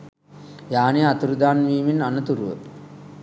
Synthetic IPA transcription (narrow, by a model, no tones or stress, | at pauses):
jaːneat̪uɾud̪aːnʋiːminanət̪uɾuʋə̰